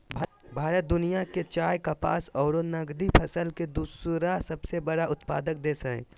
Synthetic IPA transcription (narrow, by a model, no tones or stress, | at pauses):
bʱbʱaːɾət̪̚d̪ʊnijaket͡ʃaːjkapa̰ːsɔːɾonɐɡd̪ipʰɐsəlked̪usɾasɐbsebəɽaʊt̪pa̰ːd̪ək̚d̪eːsəḛ̃ː